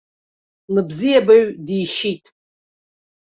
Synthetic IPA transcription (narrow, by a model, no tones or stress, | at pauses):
lɨbzijabaɥdijʃitʼ